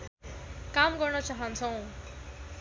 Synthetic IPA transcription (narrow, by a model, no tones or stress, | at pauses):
kamɡʌrnʌt͡saɦʌnt͡sʰʌw̃